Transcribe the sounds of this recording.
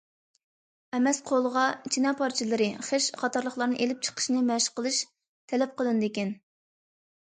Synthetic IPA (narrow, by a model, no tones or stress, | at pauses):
ɛmɛsqʰolˠəʁɑit͡ʃʰinɑpʰɑɾt͡ʃʰilɨɾɨχeʃqʰɑt̪ʰɑɾlˠəχlˠɑɾnɨŋʔelɪp̚t͡ʃʰə̥qʰə̥ʃnɨmɛʃqəlˠɨʃ | t̪ʰɛlɛp̚qəlˠɨnd̪ekʲɛn